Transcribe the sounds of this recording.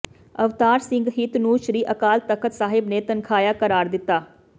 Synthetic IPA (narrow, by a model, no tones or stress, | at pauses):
əʋt̪aːɾsɪ̃ŋɡɦɪt̪nũːʃɾiːʔəkaːlt̪əkʰət̪saːɦɪbneːt̪ənkʰaːjaːkəɾaːɾd̪ɪt̪ːaː